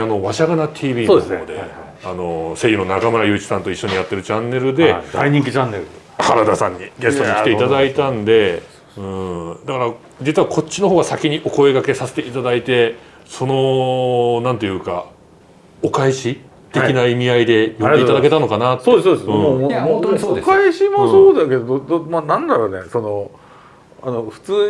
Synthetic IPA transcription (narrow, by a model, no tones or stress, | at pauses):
ano̞βaɕaɡanat̪ʲʰiːbʲiːosod̪e̞ | ano̞se̞ːjɯ̟no̞nakamɯ̟ɾajɯ̟ːt͡ɕi̥sãnt̪o̞iɕːo̞ɲ̟ijat̪ːe̞ɾɯ̟t͡ɕãnːe̞ɾɯ̟d̪e̞daiɲ̟ĩŋk̬ʲit͡ɕãnːeɾɯ | haɾad̪asãɲ̟ːiɡe̞st̪oɲikit̪eit̪ad̪ait̪ãnd̪e̞ | ɯ̟̃ːd̪akaɾa | d͡ʑit͡sɨɯβakʰo̞t͡ɕt͡ɕːino̞ɦo̞ːɡasakʲiɲ̟iʔo̞ko̞e̞ɡake̞sase̞̥t̪e̞it̪ad̪ait̪e̞ | so̞no̞ | nãnt̪e̞jɯ̟ːka̰ | okaiɕi | t̪e̞kʲinaimʲiaid̪e̞jot̪et̪ad̪ake̞t̪ano̞kanat̪ːsod̪esod̪sɯ̃ooooekaiɕimosoːd̪aked̪ood̪manãnd̪aɾoneso̞no | anoɸɯ̟̥t͡sɨː